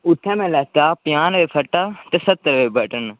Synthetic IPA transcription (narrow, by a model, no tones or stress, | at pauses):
ʊt̪ʰːɛ̃ːmɛ̃ːlɛːt̪aːpɪjaːnʋeːpʰəʈːaːt̪eːsət̪ːəɾʋeːbəʈən